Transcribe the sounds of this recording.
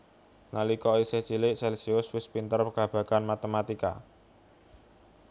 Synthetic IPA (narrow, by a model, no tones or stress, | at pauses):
nalikɔiseht͡ʃilɪʔsɛlsiʊswɪspint̪ərpəɡ̥ä̤b̥ä̤kanmat̪əmat̪ika̰